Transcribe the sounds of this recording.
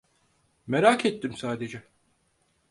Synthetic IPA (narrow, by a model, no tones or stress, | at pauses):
meɾaːkʰet̪ʰːimsaːd̪e̞d͡ʒɛ